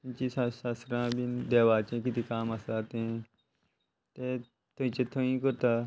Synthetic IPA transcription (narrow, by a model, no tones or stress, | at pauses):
nt͡ʃiːsasasɾãːbind̪eːʋaːt͡ʃẽːkɪt̪ikaːmasaːt̪eẽː | t̪eː | t̪ʰoĩt͡ʃeːt̪ʰõĩːkoɾt̪aː